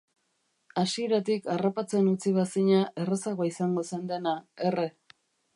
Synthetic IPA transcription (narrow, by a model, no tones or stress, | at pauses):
asie̞ɾat̪ikarapat͡se̞nut͡siβ̞asiɲaʔe̞resaɣoisaŋɡo̞send̪e̞naere̞